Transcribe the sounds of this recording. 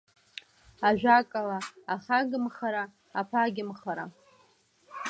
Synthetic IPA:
aʒʷᶣakʼalaːχaɡɨmχaɾaː | pʰaɡʲɪmχaɾa

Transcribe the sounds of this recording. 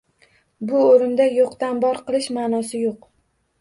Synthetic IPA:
bʊoɾɪmd̪ajoqt̪ambɒɾqʰɨlˠɪʃmanɒsɪjoq

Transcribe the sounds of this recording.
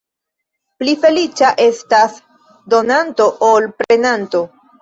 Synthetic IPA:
plife̞lit͡ʃaʔe̞stas | do̞nanto̞ʔolpɾe̞nanto̞

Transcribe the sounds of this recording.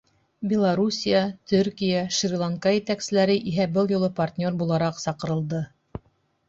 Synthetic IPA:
bʲɪlˠaɾusʲijat̪ʰɵɾkʲijaʃrʲlˠaŋkɑjɘ̆t̪æksɘ̆læɾɘʔiɦæbɤlˠjŏlˠɤpart̪ʲnʲo̞rbulˠɑɾɑqsɑqɤ̆ɾɤ̆lˠd̪ɤ

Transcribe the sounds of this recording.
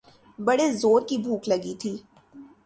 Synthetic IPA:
bɐɽezoːɾkibʱuːklɐɡit̪ʰiː

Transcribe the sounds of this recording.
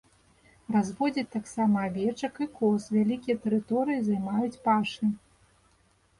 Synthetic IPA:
razvɔd͡zʲit͡sʲt̪aksamɐavʲɛt͡ʂɐkikɔsvʲalʲikʲijɐt̪ɛɾɨt̪ɔɾɨjizajmajut͡sʲpaʂɨ

